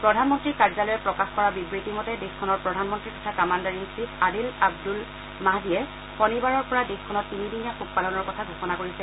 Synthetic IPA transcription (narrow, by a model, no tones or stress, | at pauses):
pɹɔdʱanmɔntɹikaɹzalɔjɛpɹɔkaxkɔɹabibɹitimɔtɛdexkʰɔnɔɹpɹɔdʱanmɔntɹikɔtʰakamandaɹinsitʰadilab̚dul | maɦdijɛ | xɔnibaɹɔɹpɔɹadexkʰːɔnɔtːinidinijaxuk̚palɔnɔɹkɔtʰaɡʱoxɔnakoɹisɛ